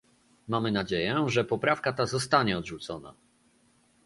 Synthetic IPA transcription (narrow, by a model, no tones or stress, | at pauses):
mamɘnad͡ʑejɛʐɛpɔpɾafkat̪azɔst̪aɲɛɔd̪ʐut̪sɔna̰